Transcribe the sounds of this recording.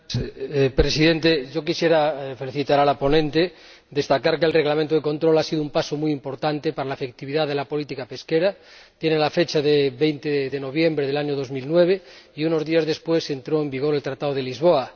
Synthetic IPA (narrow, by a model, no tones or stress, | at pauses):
pɾesiðent̪eʝo̞kisjeɾafe̞liθit̪aɾalapo̞nẽnt̪e | d̪e̞st̪akaɾkelreɣlamẽnt̪oðeko̞nt̪ɾo̞lasiðumpasomujimpo̞ɾt̪ant̪epaɾalaefek̚t̪iβiðaðe̞lapo̞lit̪ikape̞skeɾat̪jenelafe̞t͡ʃaðeβejnt̪eðeno̞β̞je̞mbɾeðelaɲoðo̞zmilnweβ̞eiuno̞zðiazðe̞spwese̞nt̪ɾoembiɣ̞o̞ɾe̞lt̪ɾat̪aðoðelizβ̞oa